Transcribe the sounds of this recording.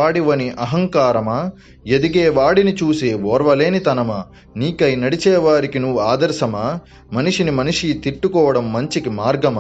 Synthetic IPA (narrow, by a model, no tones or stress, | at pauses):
aːɽiʋɐniʔɐɦɐŋkaːɾɐmaː | ed̪iɡeːʋaːɽinit͡ʃuːseʋɔːɾʋɐleːnit̪ɐnɐma | niːkɐjnɐɽit͡ʃɛːʋaːɾikinuːaːd̪ɐɾsɐmaː | mɐniʂinimɐniʂit̪iʈːukɔːɐɽɐmːɐɲt͡ʃikimaːɾɡɐmɐ